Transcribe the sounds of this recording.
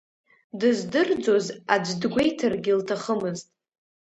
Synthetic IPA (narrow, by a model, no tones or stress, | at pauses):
dɨzdɨrd͡zo̞zad͡ʒʷdɡʷe̞jtʰarɡʲiltʰaχəmɨztʼ